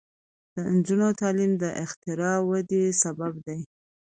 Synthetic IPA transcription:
d̪̥ənd͡ʒunot̪ɑlimd̪əʔɪxt̪ɪɾɑwad̪esababd̪aj

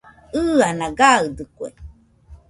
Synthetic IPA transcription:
ɯanãɡaɯd̪ɯkwḛ

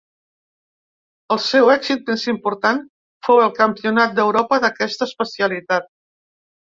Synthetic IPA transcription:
əlˠsɛwɛksit̪̚mesimpuɾt̪an | fowəlˠkəmpiunat̪̚d̪əwɾɔpəðəkɛst̪əːspəsiəlit̪at̪̚

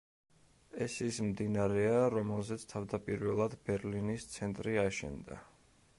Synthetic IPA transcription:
ɛsismd̪inaɾɛaɾɔmɛlˠzɛt̪sʰt̪ʰavd̪apʼiɾvɛlˠad̪bɛɾlinist̪sʰɛnt̪ʼɾiaʃɛ̰nd̪a̰

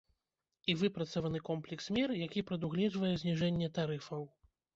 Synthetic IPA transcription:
ivɨpɾɐt̪sɐvɐnɨkɔmplʲɛksmʲɛrjakʲipɾɐd̪uɣlʲɛd͡ʐvɐjɛzʲnʲiʐɛnʲːɛt̪aɾɨfɐw

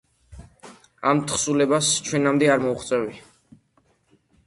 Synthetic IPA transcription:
amt̪ʰχsulɛbast͡ʃʰwɛnamd̪ɛaɾmɔuχt̪sʼɛvi

